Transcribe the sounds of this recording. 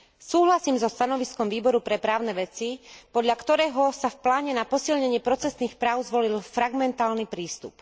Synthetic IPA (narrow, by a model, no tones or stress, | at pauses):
suːɦlasiːmzɔst̪anɔʋiskɔmʋiːbɔɾupɾɛpɾaːʊnɛʋɛt͡sipɔd̪ʎakt̪ɔɾɛːɦɔsafplaːɲɛnapɔsilɲɛɲɪɛpɾɔt͡sɛsniːxpɾaːʊzʋɔlilfɾaɡmɛnt̪aːlnipɾiːst̪ṵp